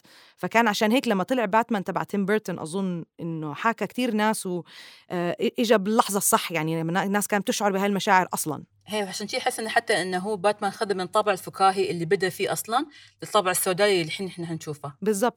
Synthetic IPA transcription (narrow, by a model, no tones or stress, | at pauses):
fakaːnʕaʃaːnɦeːklamːat̪ɪlɪʕbaːt̪mant̪abʕa̰t̪ɪmbeɾt̪ʊnʔɑ̰zˤʊnːʔɪnːʊħaːkakt̪iːɾnaːswʔʔʔɪd͡ʒabɪlːɑħzˤɑsˤːɑħːjaʕninanːaːskaːnb̚t̪ɪʃʕʊɾˤbɪhaːlmaʃaːʕɪɾʔɑsˤlɑ̰n | heːwʕaʃaːnʃiːʔħɪsːʔɪnːaħat̪ːaʔɪnːɦuːbaːt̪manxad̪ɪmːɪnt̪ˤːɑbʕɪlfʊkaːɦiʔɪlːibɪd̪afiːʔɑsˤlɑnlɪɨt̪ˤːɑbʕɪsːawd̪aːʔilːiħɪnːɪħnahanʃuːfabɪzˤːɑb̚t̪̚ˤ